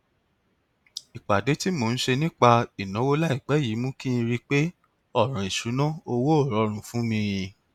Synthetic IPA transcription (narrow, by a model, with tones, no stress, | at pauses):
i˨k͡pa˨de˨˦ti˦mo˨ñ̩˦ʃe˧nĩ˦k͡pa˧i˨nã˨˦wo˦la˦i˦˨k͡pɛ˨˦ji˨˦mũ˦kĩ˦ĩ˧ɾi˦k͡pe˦ | ɔ˦˨ɾ̃ã˨i˨ʃu˨˦nɔ̃˦o˧wo˦o˦˨ɾɔ˨˦ɾ̃ũ˧fũ˦mĩ˧ɾĩ˧